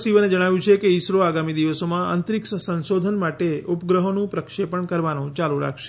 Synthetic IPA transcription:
siʋəned͡ʒəɽ̃aʋjũt͡ʃʰekeisɾoaɡamid̪iʋəsomãə̰nt̪ɾiksəsənsod̪ʱənmaʈeupɡɾəɦonũpɾəkʃepəɳkəɾʋanõt͡ʃaluɾa̰kʰʃe̥

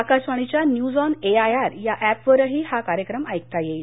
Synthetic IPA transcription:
akasʋaɽ̃it͡ɕjanjud͡zɔneajaɾjaʔæpʋəɾəɦiːhakaɾjəkɾəmajk̚t̪ajeil

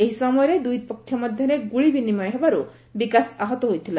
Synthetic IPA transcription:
eɦisɔmɔjɔɾed̪uj̪pɔkʰːjɔmɔd̪ʱjɔɾeɡuɭibinimɔj̃ɦebaɾu | bikasaɦɔt̪ɔɦojt̪ʰila

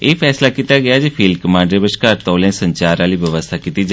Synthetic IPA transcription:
eːpʰɛːslaːkiːt̪aːɡɪaːd͡ʒipʰiːlkəmãːɳɖɾeːbəʃkaːɾt̪õːlẽːsəɲt͡ʃaːɾaːliːʋəʋəst̪ʰaːkit̪iːd͡ʒaː

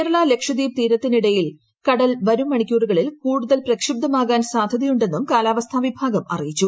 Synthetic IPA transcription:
keːɾɐɭaːle̞kʂɐd̪iːb̚t̪iːɾɐt̪ːiniɽɐjil | kɐɽɐlʋɐɾumːɐɳikʲːuːruɣɐɭilkuːɽuðɐlprɐkʂib̚d̪ɐmaːɣaːnsaːd̪ʱɐðijuɳɖe̞nːumkaːlaːʋɐst̪ʰaːʋibʱaːɡɐmɐ̰rijit͡ɕːu

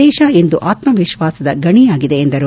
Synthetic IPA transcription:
ɛːʃɐe̞nd̪uʔaːt̪mɐʋiʃʋaːsɐd̪ɐɡɐɳijaːɡid̪e̞ːnd̪ɐɾu

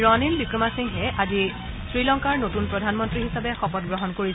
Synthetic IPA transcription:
ɹɔnilbikɹɔmasiŋɦɛʔazi | sɹilɔŋkaɹnotunpɹɔdʱanmɔntɹiɦisabɛxɔpɔt̚ɡɹɔɦɔnkoɹi

